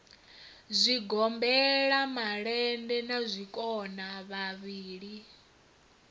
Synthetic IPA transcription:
zʷiɡɔmbɛɺamaɺɛndɛnazʷikʼɔnaβaβiːɺi

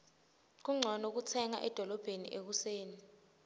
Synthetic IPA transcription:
k̬uŋ͡ǀʱɔnok̬ut͡sʰɛŋa̰ʔɛd̥ʱɔlɔb̥ʱenḭʔek̬useːni

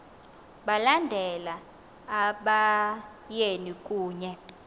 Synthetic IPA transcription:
ɓalandʱɛlaː | ɓa | jenikʼuːɲɛ

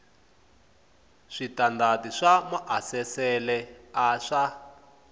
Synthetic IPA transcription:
ʂitandatiʂamaʔasɛsɛlɛaʂa

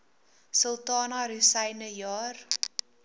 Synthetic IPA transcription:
səlˠtɑːnɐɾusɛjnəjɑːr

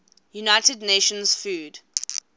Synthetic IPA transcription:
junaɪtədneʃə̃nz̥fuːd

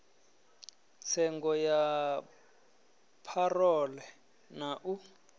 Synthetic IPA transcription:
t͡sʰɛŋɡɔja | pʰarɔlɛ | naʔu

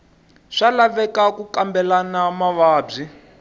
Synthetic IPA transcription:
ʂalaβɛkakukambɛlanamaβaːb͡ʐi

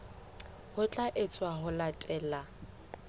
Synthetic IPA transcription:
hʊt͡ɬʼaʔɪt͡sʼwahʊlatʼɛːla

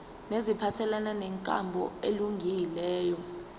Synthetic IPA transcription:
nezipʰatʰɛlananɛŋkʼa̰mbʱɔ̰eluŋɡʱilɛːjɔ

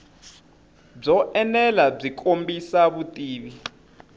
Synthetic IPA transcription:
b͡ʐɔʔɛnɛlab͡ʐikʰʼombisaβutʼiːβi

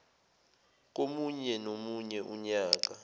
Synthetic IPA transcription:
k̬omuɲɛnomuɲɛʔuɲaːk̬a

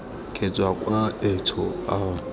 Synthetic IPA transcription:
kʰʼet͡sʼwakʼwaetʰʊaʊ

